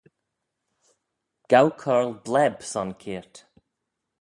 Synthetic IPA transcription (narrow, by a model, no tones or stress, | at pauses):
ɡ̥awkʰɔɹlˠblɛbsɔnkʰiːɹt